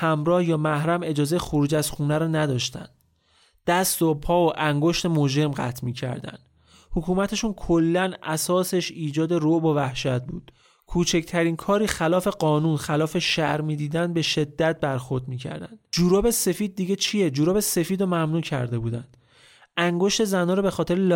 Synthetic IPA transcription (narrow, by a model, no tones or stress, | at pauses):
hæmɾɒːhjɒːmæhɾæme̞d͡ʒɒːze̞jexoɾuːd͡ʒæzxuːnæɾɒːnæd̪ɒːʃt̪æ̰nd̪ | d̪̥æst̪opʰɒːoʔæŋɡo̞ʃt̪e̞mod͡ʒe̞ɾmɢæ̰t̪ʰmiːcʰæ̰ɾd̪æ̰nd̪̥ | hokʰuːmæt̪ʰeʃunkʰolːænʔæsɒːse̞ʃiːd͡ʒɒːd̪e̞roʔbovæhʃæt̪̚bṵːd̪̥ | kʰuːt͡ʃʰecʰt̪ʰæɾiːnkʰɒːɾiːxælɒːfe̞ɢɒːnuːnxælɒːfe̞ʃæʔɾmiːd̪iːd̪ænd̪̚be̞ʃe̞d̪ːæt̪̚bæɾxoɾd̪miːcʰæ̰ɾd̪æ̰nd̪̥d͡ʒuːɾobe̞se̞fiːd̪̚ːiɟe̞t͡ʃʰijed͡ʒuːɾoːbese̞fiːd̪ɔmæmnuːcʰæ̰ɾd̪e̞buːd̪ænd̪̥ | æŋɡo̞ʃt̪e̞zænɒːɾɔbe̞xɒːt̪ʰeɾel